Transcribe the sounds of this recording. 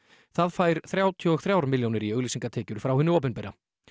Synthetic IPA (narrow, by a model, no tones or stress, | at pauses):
θaðfaːjɾ̥θɾjaːwt̪ʰjɔɔθɾjawɾmɪljownɪɾiœɣlisiŋkat̪ʰɛːcʏɾ̥fɾawhʏnʏɔːp̬ʏnpɛɾa